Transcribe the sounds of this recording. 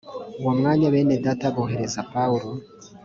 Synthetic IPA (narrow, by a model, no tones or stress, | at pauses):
uwomŋaːɲaβeːnedataɡoɦe̞ɾe̞zapauɾo